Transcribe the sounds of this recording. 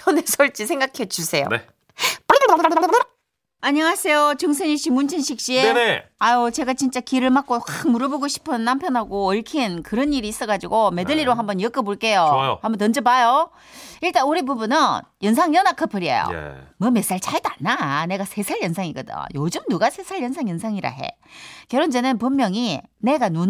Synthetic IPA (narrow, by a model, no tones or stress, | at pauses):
ʌnesʰʌɭt͡ɕ͈isʰe̞ŋɡakʰed͡ʑusʰe̞jo̰e | p͈ | aɲʌŋasʰe̞jot͡ɕɯŋsʰeɲiɕ͈imunt͡ɕʰinɕʰik̚ɕ͈ieneaot͡ɕe̞ɡat͡ɕint͡ɕ͈akiɾɯɭmak͈okamuɾʌboɡoɕʰi̥pʰɯnːampʰjʌnɦaɡoːɭkʰinkɯɾʌniɾiːs͈ʌɡad͡ʑiɡome̞dɯʎːiɾoɦambʌnjʌk͈ɯboɭk͈e̞joo̰hambʌntʌnd͡ʑɯbajo | iɭt͈anoɾibubunɯn | jʌnsʰaŋjʌnakʰɯpʰɯɾiḛjo̰mɯmes͈aɭt͡ɕʰaɭdanːane̞ɡasʰe̞sʰaɭjʌnsʰaŋiɡʌdɯ̰o̰jod͡ʑɯmnuɡasʰe̞sʰaɭjʌnsʰaŋjʌnsʰaŋiɾa̰ɦe̞̰ | kjʌɾond͡ʑenɯnpummːjʌŋine̞ɡanu